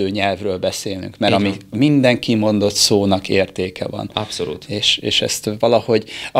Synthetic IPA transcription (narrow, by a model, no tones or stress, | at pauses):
øːɲɛlvrøːlbɛseːlny̰ŋkmɛɾɒmimind̪ɛŋkimo̞nd̪o̞t̪soːnɒkeːrt̪eːkɛ̰vɒ̰nɒpsolṵːt̪eːʃḛːʃɛ̰st̪vɒlɒho̞ɟɒ